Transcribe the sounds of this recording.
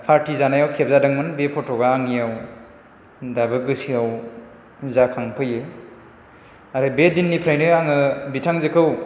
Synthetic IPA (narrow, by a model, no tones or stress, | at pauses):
pʰaɾtizanajawkʰep̚zadɯŋmɯnbepʰɔtʰɔɡaːŋijaw | dabɯɡɯsiaw | zakʰaŋpʰɯjɯ | aɾɯbedinːipʰɾajnɯaŋɯbitʰaŋzɯkʰɯw